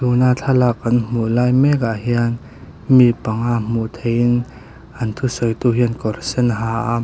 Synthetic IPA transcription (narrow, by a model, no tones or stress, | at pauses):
t̪unat͡ɬʰalakːɐnm̥uʔlaːjmɛkaʔhian | mipɐŋaʔm̥ut̪ʰejin | ʔɐnt̪ʰusɔjt̪uɦinkɔrsɛnɦaːʔa